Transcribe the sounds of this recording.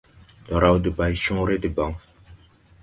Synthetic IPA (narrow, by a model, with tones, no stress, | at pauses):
dɔ˨ɾa˨wdi˨ba˨jʃũ˦ɾe˦di˨ba˨˦ŋ